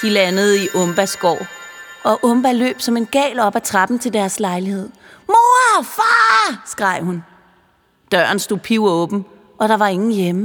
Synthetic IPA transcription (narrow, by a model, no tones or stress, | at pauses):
d̥ilænəð̞̩ˠiʔɔ̽mb̥æsɡ̥ɒ̰ːɒ̽ʔɔ̽mb̥ælø̰ːb̥sɒ̽me̝nɡ̥ɛ̰ːlɒ̽b̥æt͡sʰʁɑb̥n̩t͡sʰe̝ld̥æɐslɑ̈ɪlihe̝ð̞̰ˠmo̝ːɐfɑːsɡ̥ʁɑ̈ɪ̰hun | d̥ɶ̰ːɐn̩sd̥o̝ðˠpʰiʊɔ̽ːb̥n̩ | ʔɒ̽ɾ̥ɑ̈ʋɑ̈e̝ŋn̩jemə